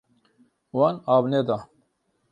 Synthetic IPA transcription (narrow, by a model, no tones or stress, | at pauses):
wanaːbned̪a